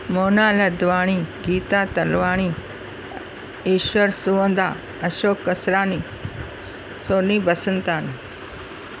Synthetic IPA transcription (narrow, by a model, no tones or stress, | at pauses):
moːnaːlɐd̪ʋaːɽ̃iːɡiːt̪aːt̪ɐlʋaːɽ̃iː | iːʃwəɾsuʋənd̪aː | ɐʃoːkːəsɾaːni | soːniːbɐsənt̪aːn